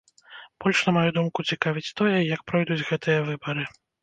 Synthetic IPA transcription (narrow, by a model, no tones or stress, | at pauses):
b̥ɔlʲʂnɐmajud̪umkut͡sʲikavʲit͡sʲt̪ɔjɛjɐk̚pɾɔjd̪ud͡zʲɣɛt̪ɨjɐvɨbɐɾɨ